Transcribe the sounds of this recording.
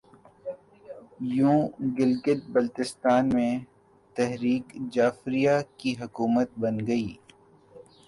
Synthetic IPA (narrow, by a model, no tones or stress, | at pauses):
jũːɡɪlɡɪt̪̚bɐlt̪ɪst̪aːnmẽ | t̪ɛɦɾiːkd͡ʒaːfɾijakiɦʊkuːmət̪̚bɐnɡɐiː